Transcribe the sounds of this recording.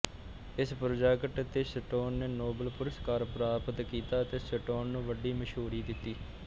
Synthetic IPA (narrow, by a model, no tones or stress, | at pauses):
ɪspəɾəd͡ʒaːkəʈt̪eːsəʈoːnːeːnoːbəlpʊɾəskaːɾpɾaːpət̪kiːt̪aːət̪eːsəʈoːnːũːʋəɖiːməʃɦuːɾiːd̪ɪt̪ːiː